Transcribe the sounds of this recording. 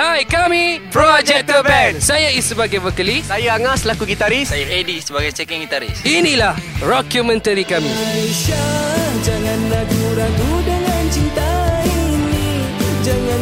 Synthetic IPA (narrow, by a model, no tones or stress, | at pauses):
hajkamipɾɔd͡ʒɛk̚t̪əbɛnsajaisəbaɡajvəkəlisajaaŋaslakuɡit̪aɾisajaʔedisəbaɡajt͡ʃɛkɛŋɡit̪aɾɪ̰sinĩlahdɔkjumɛ̃nt̪əɾikamĩleʃad͡ʒaŋãnːaɡuɾakudəŋant͡ʃint̪aini | d͡ʒaŋã